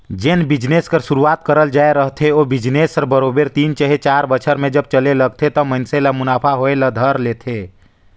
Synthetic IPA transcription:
d͡ʒenbɪd͡ʒneːskəɾʃʊɾuaːt̪kəɾəld͡ʒaːeɾəɦt̪ʰeoːbɪd͡ʒneːsəɾbəɾoːbeɾt̪iːnt͡ʃəɦet͡ʃaːɾbət͡ʃʰəɾmẽd͡ʒɐb̚t͡ʃəleləɡ̚t̪ʰet̪ɔmənselamʊnaːpʰaɦoeləd̪ʱəɾleːt̪ʰeː

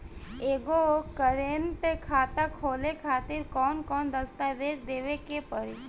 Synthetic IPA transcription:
eːɡokəɾent̪ekʰaːt̪akʰoːlekʰaːt̪ɪɾkɔːnkɔːnd̪əst̪aʋeːd͡ʒd̪eːʋekepəɾi

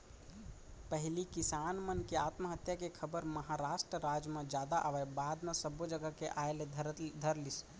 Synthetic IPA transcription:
pəɦlikisanmənkeat̪məɦət̪jakekʰəbəɾməɦaɾasʈɾəɾad͡ʒmẽd͡ʒjad̪aʔaʋɛbad̪mesəbod͡ʒəɡəkeʔaeled̪ʱəɾlis

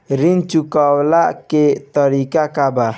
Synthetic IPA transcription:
ɾint͡ʃukawlaʔket̪ɔɾikakaba

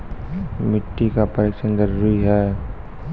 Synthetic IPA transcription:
mɪʈːikapəɾekʃənɡəɾuɾiɦɛː

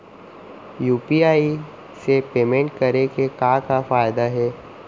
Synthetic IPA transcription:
juːpiaːi | sepeːmẽɳʈ̚kɐɾekekakafaːjd̪aɦɛː

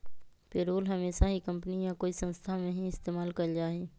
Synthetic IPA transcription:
peːɾoːlɦɐmeːʃaɦikə̃mpnijakoːisə̃nst̪ʰamẽɦĩɪst̪eːmaːlkɐɾd͡ʒaːɦeː

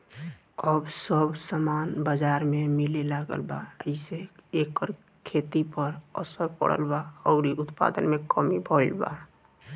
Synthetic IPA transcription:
əbsəbsəmanbəd͡ʒaɾmemilelaɡə̰lba̰ə̰ɪseekːəɾ | kʰet̪ipəɾəsəɾpə̰ɽ̤ə̰lbaɔʊɾiʔʊt̪pa̰d̪ənmekəmibʱɔɪlba̰

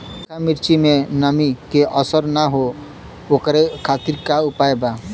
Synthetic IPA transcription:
kamiɾt͡ʃimenəmikeʔəsəɾnaɦo | okɾekʰat̪iɾkaupaeba

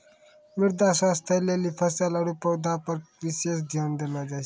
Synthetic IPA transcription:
miɾd̪aswast̪ʰəlelipʰəsalaɾupəwd̪ʱapəɾʋisesd̪ʱjand̪elad͡zas

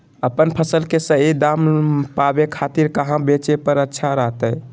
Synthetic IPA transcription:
əpənpʰəsəlkesə̃ed̪ampabekʰat̪iɾkəɦãbet͡ʃepəɾətːʃʰaɾəɦt̪əj

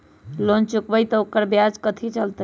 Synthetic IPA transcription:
lont͡ʃukbəjt̪ɔokəɾbjad͡ʒkət̪ʰit͡ʃəlt̪ə

